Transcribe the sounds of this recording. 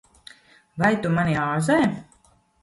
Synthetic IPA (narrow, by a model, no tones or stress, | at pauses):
vajt̪umaniaːzɛj